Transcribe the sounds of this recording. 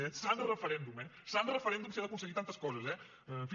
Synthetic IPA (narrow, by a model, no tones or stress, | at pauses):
esand̪ɾrefɐɾend̪umesand̪ɾrefɐɾend̪umselɐkunsəɐɡit̪ant̪ɐskɔzɐse | f